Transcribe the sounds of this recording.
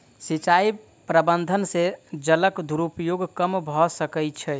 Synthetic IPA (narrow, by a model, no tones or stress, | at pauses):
sit͡ʃai | pɾəbənd̪ʱənsed͡ʒələkd̪ʱuɾupjoɡkəmbʱɔsəkɛt͡ʃʰɛ